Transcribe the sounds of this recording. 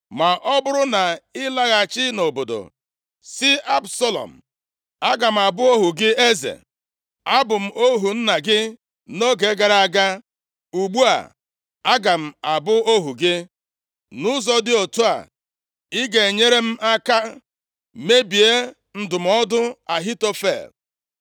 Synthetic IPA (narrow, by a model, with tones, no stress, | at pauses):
ma˨ʔɔ˦bʊ˦ɾʊ˦na˨ɪ˦la˦ɣa˨t͡ʃɪ˦no˨bo˨do̰˨ | sɪ˦a˦bsɔ˦lɔ̰˨m̩˨ | a˦ɡa˨m̩˨a˨bʊ˦o˦ɦu˨ɡɪ˦e˦zḛ˨ | a˦bʊ˨m̩˦ʔo˦ɦu˨n̩˦na˨ɡɪ˦ | no˦ɡe˨˦ɡa˨ɾa˨a˨ɡa˦ | u˨ɡ͡bu˦a̰˨ | a˦ɡa˨m̩˨a˨bʊ˦o˦ɦu˨ɡɪ˦ | nʊ˦zɔ˦dɪ˦o˨tu˦a̰˨ | ɪ˦ɡe˨e˨ɲe˦ɾe˦m̩˦a˦ka˦ | me˦bi˨e˦ | n̩˦dʊ˨m̩˦ɔ˦dʊ˦a˨ɦi˦to˦fḛ˨l